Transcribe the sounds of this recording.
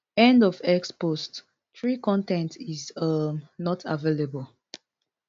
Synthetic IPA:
ɛ̃ndɔvɛkspost | tɹikɔ̃ntɛ̃ntizʌmnɔtʰavelebəl

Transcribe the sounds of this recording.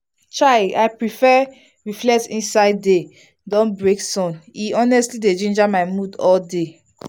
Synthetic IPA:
t͡ʃaɪaɪpɹifɛ | ɹiflɛk̚sĩnsaɪdːe | dɔ̃nbɹeksɔ̃niɔnɛstlided͡ʒĩnd͡ʒamaɪmudɔlde

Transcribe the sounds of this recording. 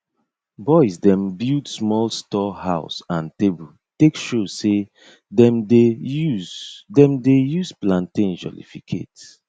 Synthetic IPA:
bɔɪsdɛ̃mbildsmɔlstɔhaʊsãntebul | tekʃose | dɛ̃mdejuzdɛ̃mdejuzplãntĩnd͡ʒɔ̰lḭfikʰḛt

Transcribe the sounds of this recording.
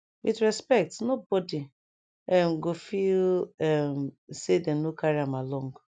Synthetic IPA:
witɹɛspɛk̚tnobɔdi | ɛmɡofilɛmsedɛ̃mnokaɹiãmalɔ̃ŋɡ

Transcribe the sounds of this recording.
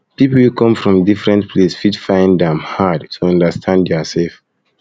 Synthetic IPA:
pipl̩wukʰɔ̃mfɹɔ̃mdifɹɛ̃ntpʰlesfitfãɪ̃ndɛ̃mhadtʰuɔ̃ndəstʰãndɛɔsɛlf

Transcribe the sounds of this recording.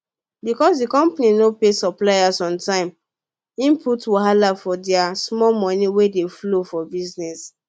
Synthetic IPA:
bikɔsdikɔ̃mpaninopesɔplajasɔ̃ntãɪ̃m | ĩmpʰutwaɦalafɔdɛasmɔlmɔ̃niwedeflofɔbiznɛs

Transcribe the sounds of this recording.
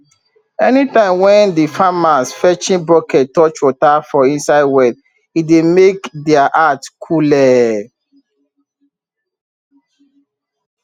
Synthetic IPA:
ɛnitãɪ̃mwɛ̃ndifamasfɛt͡ʃĩnbɹɔkɛttːɔt͡ʃwotafɔĩnsaɪdwɛt | idemekdɛaʔatkʰulɛ

